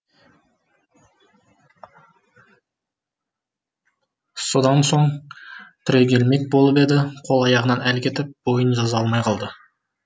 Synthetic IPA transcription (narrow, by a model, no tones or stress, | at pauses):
so̞d̪ɑnso̞ɴ | t̪ʰʏɾe̞kʲe̞lme̞k̚bo̞lˠəpe̞d̪ɪqʰo̞lˠɑjɑʁənɑnælkʲʰe̞t̪ɪp̚b̥o̞jənʒɑzɑɑlˠmɑjqʰɑlˠd̪ə